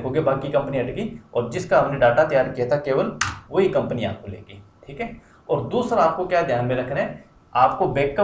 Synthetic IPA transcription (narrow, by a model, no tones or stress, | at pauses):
ɦoːɡebaːkikɐ̃mpniɐʈɡiɔːɾd͡ʒɪskaɦɐmneɖaːʈat̪ɐjaːɾkijat̪ʰakeːʋəlʋoɦikɐ̃mpnia̰ːp̚kolḛːɡiːʈʰiːkɦɛː | ɔːɾd̪uːsɾaaːp̚kokjaːd̪ʱjaːnmẽɾɐkʰnaɦɛː | aːpkobeːkːə